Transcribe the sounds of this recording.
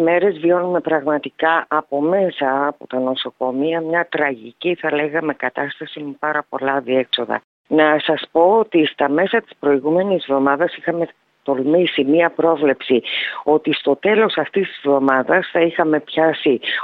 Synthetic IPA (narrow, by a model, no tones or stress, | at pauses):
me̞ɾe̞zvio̞nume̞pɾɐɣmɐt̪ikɐʔɐpo̞me̞sɐːpo̞t̪ɐno̞so̞ko̞miɐmɲɐt̪ɾɐʝiciθɐle̞ɣɐme̞kɐt̪ɐst̪ɐsimepɐɾɐpo̞lɐðiekso̞ðɐ̰ | nɐsɐspo̞ot̪ist̪ɐme̞sɐt̪i̥spɾo̞iɣume̞nizvðo̞mɐðɐsixɐme̞ | t̪o̞lmisimiɐpɾo̞vle̞psio̞t̪ist̪o̞t̪e̞lo̞sɐft̪ist̪izvðo̞mɐðɐsθɐixɐme̞pçɐsi